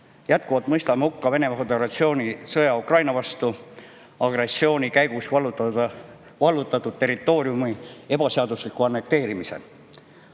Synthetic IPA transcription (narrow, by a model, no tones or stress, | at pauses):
jæt̪̚kuvɑlt̪mɤjst̪ɑmhukːɑve̞ne̞mɑfed̪e̞ɾɑt̪sio̞ːnʲisɤjɑukrɑjnɑvɑst̪u | ɑɡ̥re̞sːio̞ːnʲikæjɡ̥usɑl | vɑlːut̪ːˑɑt̪ːˑud̪̥̚t̪e̞rit̪ːˑo̞ːɾiumie̞b̥ɑse̞ɑd̪̥uslikːˑuɑnːe̞k̚t̪e̞ːɾimise̞̰l